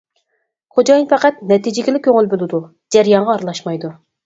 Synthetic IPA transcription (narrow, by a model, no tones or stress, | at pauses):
χod͡ʒɑjnpɛqæt̪̚nɛt̪id͡ʒɪɡʲilɪkʲʰøŋɪlbolˠɨɪd̪u | d͡ʒæɾjɑɴʁɑːɾlˠɑʃmɑjd̪u